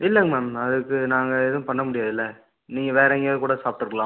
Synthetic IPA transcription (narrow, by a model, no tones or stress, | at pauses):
ɪlːɛŋɡmɛːmɐðɯkːɯnaːŋɡɐɪðɯ̃pɐɳːɐmʊɽɪjaːðɪlːɐ | niːŋɡɐʋeːɾɐŋɡekuːɽɐsaːpɪʈɯɾɯkːɐlãː